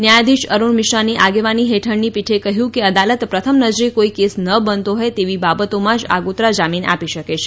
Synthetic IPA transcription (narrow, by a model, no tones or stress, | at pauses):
njajd̪iʃəɾuɳmɪʃɾaniʔaɡeʋaniɦeʈʰəɳnipiʈʰekəɦjũkeəd̪alət̪pɾət̪ʰəmnəd͡ʒɾikoikesnəbənt̪oɦɔet̪eʋibabət̪omãd͡ʒa̰ɡut̪ɾad͡ʒaminʔa̰piʃəket͡ʃʰe̥